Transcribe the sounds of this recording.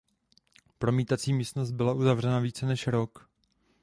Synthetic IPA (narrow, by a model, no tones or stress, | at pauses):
pɾo̞miːt̪at͡siːmiːst̪no̞st̪̚bɪlaʔuzavr̝ɛnaviːt͡sɛnɛʃɾok